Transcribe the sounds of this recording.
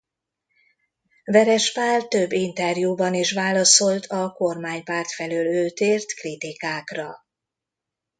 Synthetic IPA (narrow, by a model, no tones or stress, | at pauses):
vɛɾɛʃpaːlt̪øbːint̪ɛrjubɒniʃʋaːlɒso̞lt̪ʰɒko̞rmaːɲpaːrt̪fɛløːløːt̪eːrt̪krit̪ikaːkrɒ